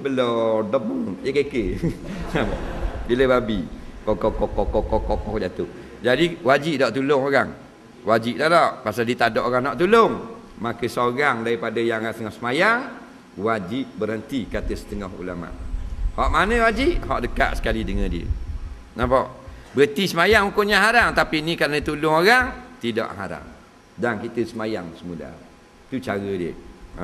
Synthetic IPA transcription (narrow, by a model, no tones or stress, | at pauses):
bəlɔdɔp̚məjəkekənapa̰ʔbiləbabiʔkokɔkɔkɔkɔkokɔkɔkd͡ʒat̪ʊh | d͡ʒadiwad͡ʒiʔdɔʔt̪ulʊŋoɣaŋ | wad͡ʒiʔdalɔʔpasaldiət̪adɔʔoɣaŋnɔʔt̪uloŋ | makəsoɣaŋdaɾipadajaŋt̪əŋɔhsəmajaŋ | wad͡ʒiʔbəɾhənt̪ikat̪əsə̥t̪əŋɔɦṵlama̰ʔhɔʔmanəwad͡ʒiʔɦɔ̰ʔdəka̰ʔsə̥kalidəŋə̃ndiə̰ | napɔʔbəət̪isəmajaŋukoʔɲaɦaɾaŋt̪apinikaɾənət̪ulʊŋoɾaŋt̪idɔ̰ʔɦaɾa̰ŋ | dankit̪əsəmajaŋsəmula̰ | t̪ut͡ʃaɣədiə̰